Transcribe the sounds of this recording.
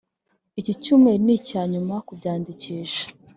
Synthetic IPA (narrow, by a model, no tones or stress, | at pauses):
icicumŋe̞nicaːɲumakubɟaːndiciːʃḁ